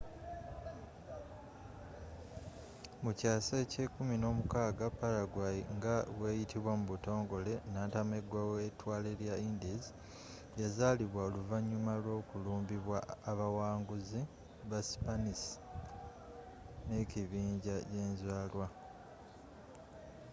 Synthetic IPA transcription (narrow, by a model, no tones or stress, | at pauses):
mucaːsece̞kumino̞ːmukaːɡapːalaɡwajḭŋɡawe̞ːjitiβwamuβuto̞ːŋɡo̞le̞naːtame̞ɡwawetwaːle̞ljaindizi | jazaːliβwaoluvaɲːumalo̞ːkuluːmbiβwaːβawaːŋɡuzi | βasi̥panisi̥ | ne̞ciβiːɲɟaje̞ːnzwaːlwa